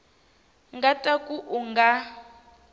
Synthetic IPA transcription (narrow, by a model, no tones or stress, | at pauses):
ŋɡatʼakʼuʔuŋɡa